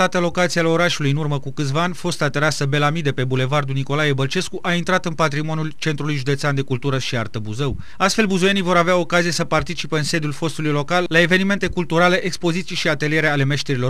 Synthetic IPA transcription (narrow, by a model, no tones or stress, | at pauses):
at̪ealo̞kat̪sialeo̞ɾaʃulujɨnurməkukɨt̪svaanʲfo̞st̪at̪eɾasəbe̞lamid̪e̞pe̞bule̞vard̪uniko̞lajebəlt͡ʃe̞skuʔaint̪ɾat̪ɨnpat̪ɾimo̞nʲult͡ʃe̞nt̪ɾulujʒud̪eseand̪ekult̪uɾəʃiart̪əbuzew | ast̪fe̞lbuzuje̞nijvo̞ɾaveao̞kazije̞səpart̪it͡ʃipeɨnse̞d̪julfo̞st̪ulujlo̞kalːae̞ve̞nime̞nt̪e̞kult̪uɾale̞ʔekspo̞zit̪sijʃiat̪e̞lije̞ɾeale̞me̞ʃt̪eɾilo̞